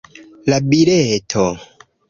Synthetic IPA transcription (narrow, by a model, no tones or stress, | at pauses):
labiɾetʰo